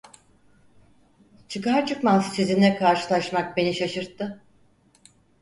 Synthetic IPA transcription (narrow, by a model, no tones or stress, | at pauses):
t͡ʃʰɯkaɾt͡ʃʰɯkmansɯsizind̪ɛkʰaɾʃɯlˠaʃmak̚be̞niʃaʃɯɾt̪ʰːɯ